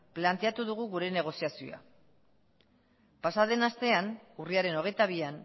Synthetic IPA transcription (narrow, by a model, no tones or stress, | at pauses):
plant̪e̞at̪uðuɣ̞uɣuɾe̞ne̞ɣ̞o̞siasio̰a̰ | pasaðe̞nast̪e̞anuriaɾe̞no̞ɣ̞e̞jt̪aβ̞ian